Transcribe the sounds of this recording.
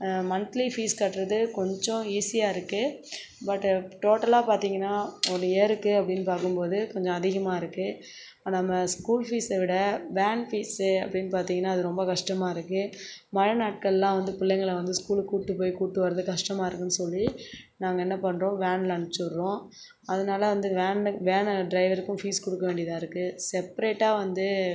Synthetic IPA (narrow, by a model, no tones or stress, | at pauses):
mɐnt̪lifiːskaːʈːɾɐðɯkɔɲd͡ʒɔ̃iːsɪjaːɪɾɯkːɯ | bɐʈːʈoːʈːɐlaːpaːɾt̪iːŋɡɐnːaːɔnːeːɾɯkːɯɐpːɐɽɪnːɯpaːɾkɯmpoːðɯkɔɲd͡ʒɔ̃ɐðɪɣɐmaːɪɾɯkːɯ | nɐmːɐskuːlfiːsʋɪɽɐʋaːnfiːsɐpːɐɽɪnːɯpaːɾt̪iːŋɡɐnːaːɐðɯɾɔmbɐkɐʂʈɐmaːɪɾɯkːɯ | mɐɾɐnaːʈ̚kɐɭlãːʋɐnd̪ɯpɪlːɛŋɡɐɭʋɐnd̪ɯskuːlkuːʈːɯpoːjkuːʈːɯʋɐɾɐðɯkɐʂʈɐmaːɪɾɯkːɯnːɯsɔlːinaːŋɡɐɛnːɐpɐɳːɾõːʋaːnlɐɳt͡ʃːɯɾɾõː | ɐðɐnaːlɐʋɐnd̪ɯʋaːnʋeːnɖɾɐɪʋɐɾɯkːɯ̃fiːskɔɽɯkːɐʋeːɳɖɪɐðãːɪɾɯkːɯsɛpɐɾeːʈːaːʋɐnd̪ɯ